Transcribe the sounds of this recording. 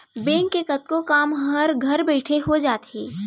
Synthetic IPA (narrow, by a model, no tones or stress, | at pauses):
bẽːŋkːekɐt̪̚kokaːmɦəɾɡʱɐɾbɛːʈʰeɦod͡ʒaːt̪ɦḛː